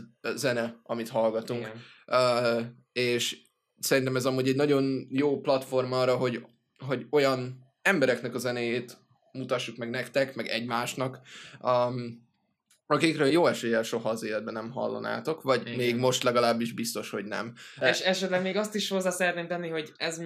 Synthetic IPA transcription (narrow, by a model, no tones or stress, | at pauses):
zɛnɛɒmit̪ɦɒlɡɒt̪uŋkː | eːʃ | sɛɾint̪ɛmɛzɒmuːɟɛɟnɒɟo̞njoːplɒt̪fo̞rmɒːrɒɦo̞ɟ | ɦo̞ɟo̞jɒn | ɛmbɛɾɛknɛkɒzɛneːjeːt̪ | mut̪ɒʃːukmɛɡnɛkt̪ɛkmɛɡɛɟmaːʃnɒkː | m | ɒkikrøːjoːɛʃeːjɛlʃo̞ɦɒːzeːlɛd̪bɛnɛmɦɒ̰lːo̰na̰ːt̪o̞kʋɒɟmeːɡmo̞ʃt̪lɛɡɒlaːbːiʒbist̪o̞ʃho̞ɟnɛ̰meʃɛʃɛt̪lɛɡmeːɡɒst̪iʃho̞zːaːsɛɾɛt̪neːmt̪ɛnːiɦo̞ɟɛz